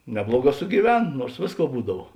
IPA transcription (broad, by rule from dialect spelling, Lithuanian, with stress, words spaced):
ˈnʲæːblˠuɔˌɡɑː sʊɡʲiːˈʋʲɛn ˈnuɔrs ˈʋʲeːsˌkuɔ ˈbuːdɐw